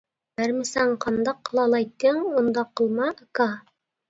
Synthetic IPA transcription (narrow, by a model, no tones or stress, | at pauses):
bæɾmɘ̆sæɴqɑnd̪ɑq̆ːlˠɑlˠɑjt̪ːɘŋond̪ɑqːɤ̆lˠmɑʔkɑ